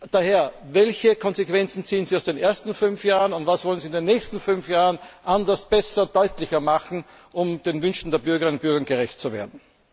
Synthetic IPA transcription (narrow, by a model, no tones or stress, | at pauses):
d̥aheːɐ | vɛlçəkʰɔnzekv̥ɛnt͡sn̩t͡siːənziːaʊsd̥eːnʔeɐstn̩fʏnfjaːʁənʊntvasvɔlənziːɪndeːnːɛːçstn̩fʏnfjaːʁənʔandɐsb̥ɛsɐd̥ɔʏtlɪçɐmaχn̩ | ʔʊmd̥eːnvʏnʃtn̩d̥eːɐbʏɐɡəɐɪnʊnb̥ʏɐɡɐnɡəʁɛçt̚t͡suvḛːɐdn̩